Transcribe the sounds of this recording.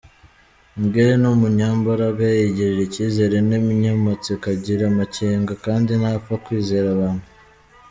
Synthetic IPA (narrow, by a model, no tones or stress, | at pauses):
ŋɡeɾenomuɲaːmbaɾaɡajeɟiɾiɾeciːze̞ɾenemiɲamat͡sikaɟiɾamaceːŋɡakaːndinafakwiːze̞ɾaβaːn̥hu